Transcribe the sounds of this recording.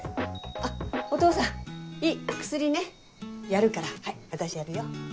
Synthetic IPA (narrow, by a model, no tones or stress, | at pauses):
aot̪o̞ːsãiːkɯ̟̥sɨɾʲine̞ | jaɾɯ̟kaɾahaiβat̪aɕijaɾɯ̟jo